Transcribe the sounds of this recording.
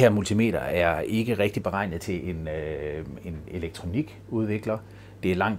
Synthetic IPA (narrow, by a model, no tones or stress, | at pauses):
eɐmult͡sʰime̝̰ːɾ̥ɐæɐe̝ɡ̥əʁeɡ̥̚d̥ib̥e̝ʁɑ̈ɪ̰nð̩ˠt͡sʰe̝lʔe̝n | e̝ne̝leɡ̥̚t͡sʰʁo̝niɡ̥ | uð̞ˠʋe̝ɡ̥lɐ | d̥e̝æɐlɑ̈ŋ̰̥